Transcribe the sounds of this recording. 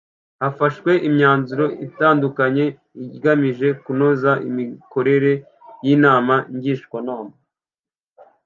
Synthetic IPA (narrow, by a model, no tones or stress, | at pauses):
hafaʃwe̞ʔimɲaːnzuɾo̞itaːndukaɲe̞ | iɡamiʒe̞kunozaʔimiko̞ɾe̞ɾe̞ | jinaːmaiɲɟiʃkwanoːma